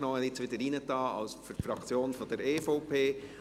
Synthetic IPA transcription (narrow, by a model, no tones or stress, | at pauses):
nɔəɪt͡sʋɪdəɾiːnətɑːɑ̰lsfyɾfɾɑkt͡sjoːnfɔd̪əɾeːfoʊpʰeː